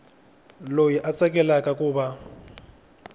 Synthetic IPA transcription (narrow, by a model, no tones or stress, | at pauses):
lojiʔat͡sʼɛkʼɛlakʼakʼʊːba